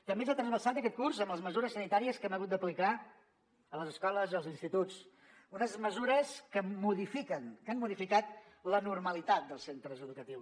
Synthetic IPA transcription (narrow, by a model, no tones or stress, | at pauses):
t̪əmbes̬at̪ɾəzβəsat̪əkɛt̪̚kurzəmbləzməzuɾəsənit̪aɾiəskɛməɣut̪d̪əplika | ələzəskɔləzəlˠzinst̪it̪ut͡s | unəzməzuɾəskəmuðifikənkanmuðifikat̪̚lənurməlit̪at̪̚d̪əlˠsent̪ɾəzəðukət̪iws